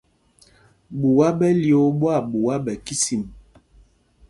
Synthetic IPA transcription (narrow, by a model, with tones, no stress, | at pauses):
bu˨wa˦ɓɛ˦ljo˨˦bwa˦˨bu˨wa˦bɛ˨ki˦si˨m